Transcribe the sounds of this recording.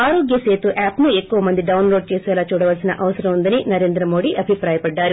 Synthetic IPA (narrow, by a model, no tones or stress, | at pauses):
aːɾo̞ːɡjɐseːt̪uʔaːpnuekːuʋɐmɐnd̪iɖɐwnloːɖ̚t͡ʃeːsɛːlaːt͡ʃuːɽɐʋɐlsinɐʔɐʋɐsɐɾɐmund̪ɐninɐɾe̞ːnd̪ɾɐmo̞ːɽiʔɐbʱipɾaːjɐpɐɖːaːɾu